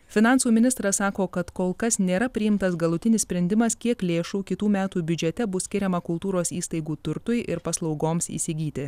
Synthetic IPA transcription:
fʲɪnɑˑnsuːmʲɪnʲɪst̪ɾɐssɑːkoːkɐt̪koːlˠkɐsnʲeːɾɐpʲɾʲɪjɪmt̪ɐsɡɐlˠʊt̪ʲɪnʲɪssʲpʲɾʲɛnʲd̪ʲɪmɐskʲiɛklʲeːʃuːkʲɪt̪uːmʲæːt̪uːbʲʊd͡ʒʲɛt̪ʲɛbʊsʲkʲɪɾʲɛmɐkʊlˠt̪uːɾoːsiːst̪ɐɪɡuːt̪ʊɾt̪ʊjʔɪɾpɐslˠɒʊɡoːmsḭːsʲɪɡʲiːt̪ʲɪ

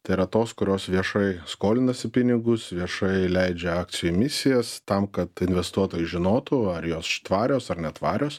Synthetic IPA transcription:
t̪ɐɪɪɾɐt̪oːskʊɾʲoːsʋʲiɛʃɐɪskoːlʲɪnɐsʲɪpʲɪnʲɪɡʊsʋʲiɛʃɐɪlʲɛɪd͡ʒʲɛɑːk̪sʲɪjʊmʲɪsʲɪjɛst̪ɐmkɐt̪ɪnʲʋʲɛst̪uɔt̪oːjʊʒʲɪnoːt̪ʊɐɾjoːsʃt̪ʋɑːɾʲoːsɐrnʲɛt̪ʋɑːɾʲoːs

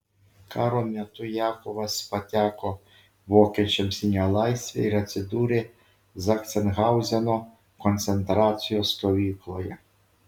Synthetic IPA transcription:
kɑɾɔmʲɐt̪ʊjakɔʋɐspɐtʲakɔ | ʋɔket͡ʃemsʲinʲɐlˠɑjsʲt̪ʲʋʲɛ̰iɾɐsʲɪd̪uɾɪ | zɐkt̪senɦɑwzʲɐnɔ | kɔnt̪sent̪ɾɑt͡s̪ʲijɔst̪ɔʋʲiklˠɔjɛ

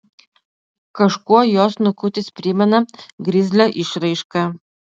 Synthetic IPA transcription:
kɐʃkuɔjoːsnʊkʊt̪ʲɪspʲɾʲɪmʲɛnɐɡɾʲɪzʲlʲoːʔɪʃɾɐɪʃkɑ

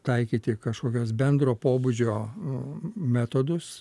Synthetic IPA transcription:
t̪ɐɪkʲiːt̪ʲɪkɐʃkoːkʲoːsbʲɛnd̪ɾoːpoːbud͡ʒʲoː | mʲæːt̪od̪ʊs

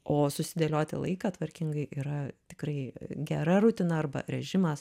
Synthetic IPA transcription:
oːsʊsʲɪd̪ʲɛlʲoːt̪ʲɪ̰lˠɐ̰ɪkɑːt̪ʋɐɾʲkʲɪŋɡɐɪʔiːɾɐt̪ʲɪ̥kɾɐɪɡʲɛɾɐɾʊt̪ʲɪnɐɐrbɐ̰ɾʲɛʒʲɪmɐs

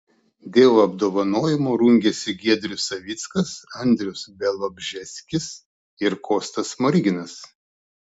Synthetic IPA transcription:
d̪ʲeːʋoɐb̚d̪oːʋɐnoːjɪmoːɾuŋʲɡʲɛsʲɪɡʲiɛd̪ʲɾʲʊsɐʋʲit̪skɐsɐnʲd̪ʲɾʲʊsbʲɛlˠobʲʒʲɛsʲkʲɪs | ɪɾkoːst̪ɐsmɔɾʲiɡʲɪnɐs

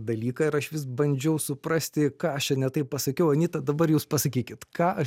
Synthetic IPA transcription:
d̪ɐlʲiːkɑːɪɾɐʃʋʲɪs̬bɐnʲd͡ʒʲɛʊsʊpɾɑsʲt̪ʲɪkɑːɐʃt͡ʃʲɛnʲɛt̪ɐɪppɐsɐkʲɛʊɐnʲɪːt̪ɐd̪ɐbɐɾjuːspɐsɐkʲiːkʲɪt̪kɑːʔɐ

